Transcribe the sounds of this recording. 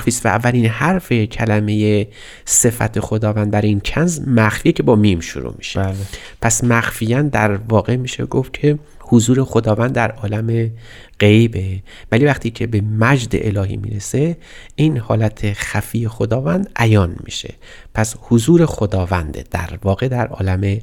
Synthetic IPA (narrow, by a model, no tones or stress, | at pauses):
fiːst̪væ̰ːvːælinhæɾfe̞cʰælæme̞je | se̞fæ̰t̪ʰe̞xod̪ɒːvænd̪̚bæɾincʰænzmæxfiːecʰe̞bɒːmiːmʃṵɾṵmi̥̰ʃe̥l | pʰæsmæxfijænd̪æɾvɒːɣe̞miːʃḛɡofcʰe̞ | hozuːɾe̞xod̪ɒːvænd̪ːæɾʔɒːlæme̞ | ɢ̥e̞jbe | væliːvæχt̪ʰiːcʰe̞bemæd͡ʒd̪ḛʔelɒːɦḭːmḭːɾese | ʔinhɒ̰ːlæt̪ʰexæfiːjexod̪ɒːvænd̪ʔæjɒːnmḭːʃe̞̰ | pʰæshozuːɾe̞xod̪ɒːvænd̪ḛd̪̥æ̰ɾvɒːɣe̞d̪æɾʔɒ̰ːlæme